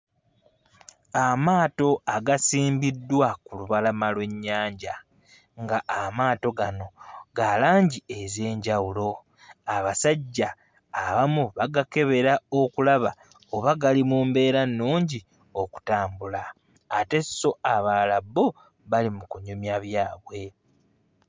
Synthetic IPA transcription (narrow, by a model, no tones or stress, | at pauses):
amaːto̞aɡasiːmbidːwakuluβalamalwe̞ɲːaːɲɟa | ŋɡaʔːmaːto̞ɡano̞ɡalaːɲɟie̞ze̞ːɲɟawulo̞ | aβasaɟːaː | βamuβaɡake̞βe̞ɾao̞kulaβa | oβaɡalimuːmbe̞ːɾanːuːɲɟi | o̞ku̥taːmbulaː | te̞so̞aβalabːo̞ | βalimukuɲumjaβjaːβwe̞